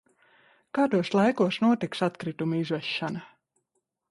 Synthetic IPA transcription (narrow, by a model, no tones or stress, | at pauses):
kaːd̪uɔslˠajkuɔsnuɔt̪iksat̪kɾit̪umizvɛʃːana